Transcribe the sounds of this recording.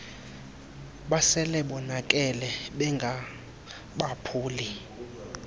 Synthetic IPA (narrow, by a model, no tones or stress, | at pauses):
ɓasɛlɛɓɔnak̬ʼɛlɛɓɛŋɡʱa | ɓapʰuːli